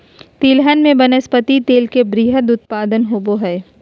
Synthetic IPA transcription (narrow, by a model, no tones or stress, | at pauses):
t̪iːlɦənmẽbɐnəspət̪it̪eːlkebɾiːɦəd̪ʊt̪̚paːd̪ənɦoboɦɛː